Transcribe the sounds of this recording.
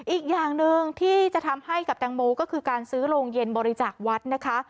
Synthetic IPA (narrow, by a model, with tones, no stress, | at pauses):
ʔiː˨˩k̚jaː˨˩ŋnɯ˧ŋt̪ʰiː˥˩t͡ɕa˨˩t̪ʰa˧mha˥˩jka˨˩p̚t̪aː˧ŋmoː˧kɔː˥˩kʰɯː˧kaː˧nsɯː˦˥ɾoː˧ŋje˧nbɔː˧ɾi˧˥t͡ɕaː˨˩k̚wa˦˥t̪̚na˦˥kʰa˦˥